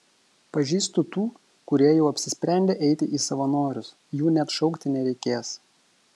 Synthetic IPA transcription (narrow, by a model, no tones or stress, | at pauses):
pɐʒʲiːst̪ʊt̪uː | kʊɾʲiɛjɛʊɐpʲsʲɪsʲpʲɾʲæˑnʲd̪ʲeːʔɛɪt̪ʲɪʔiːsɐʋɐnoːɾʲʊs | juːnʲɛt̪ʃɔʊkt̪ʲɪnʲɛɾʲɛɪkʲeːs